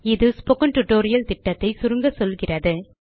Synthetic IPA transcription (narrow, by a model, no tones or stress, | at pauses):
ɪðɯspɔkɐɳʈʊʈːoːɾɪjɐlt̪ɪʈːɐt̪ːɐɪsʊɾɯŋɡɐsɔlɣɪrɐðɯ